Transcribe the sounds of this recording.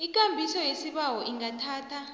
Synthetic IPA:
ik̬ʼambʱisɔjesiɓawɔʔiŋatʰaːtʰa

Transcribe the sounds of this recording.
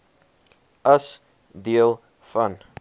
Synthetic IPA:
ɐs | diəlˠ | fɐn

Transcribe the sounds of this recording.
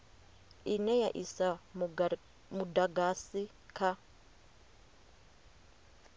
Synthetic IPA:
inɛjaʔisa | mudaɡasi | kʰa

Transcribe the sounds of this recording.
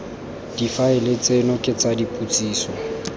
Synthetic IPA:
d̥ifaɪlet͡sʼenɔkʼɪt͡sʼadipʼut͡sʼiːsɔ

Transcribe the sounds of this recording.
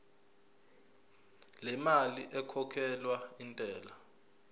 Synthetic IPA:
lɛmaliʔɛkʰɔkʰɛlwaintʼɛːla

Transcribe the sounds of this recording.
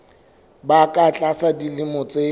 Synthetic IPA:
bakʼat͡ɬʼasadilɪmʊt͡sʼe

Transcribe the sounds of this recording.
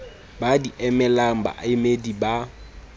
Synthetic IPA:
badiʔɛmɛlaŋ̩ba̰ʔɪmediba

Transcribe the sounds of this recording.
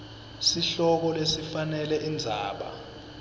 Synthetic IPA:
siɬɔk̬ɔlesifanɛlɛʔind͡zʱaːɓa̰

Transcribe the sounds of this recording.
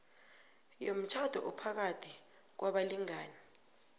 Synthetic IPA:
jom̩t͡ʃʰad̥ʱɔ̰ʔɔpʰak̬atʰi | k̬waɓaliŋaːni

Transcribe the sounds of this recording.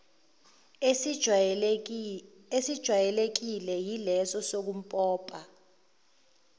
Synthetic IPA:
esid̥ʒ̥ʱwajɛlek̬ilɛjilɛsɔsok̬um̩pʼɔːpʼa

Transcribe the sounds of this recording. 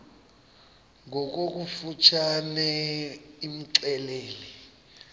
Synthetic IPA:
ŋʱɔk̬ok̬ufut͡ʃʰanɛ | im̩ǁɛleːlɛ

